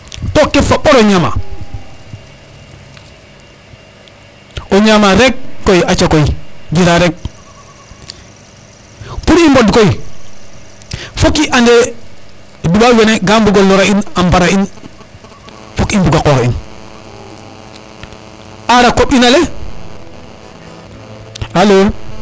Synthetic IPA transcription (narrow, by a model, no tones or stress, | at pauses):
tokːefaɓoɾoɲama̰ | oɲamaɾek̚ːojat͡ʃakojid͡ʒiɾaɾek̚ | puɾimbodkoji | fokiʔande | dubaweneɡambuɡolɔɾainambaɾain | fukimbuɡakɔːkḭn | ʔaɾakoɓinale | aloː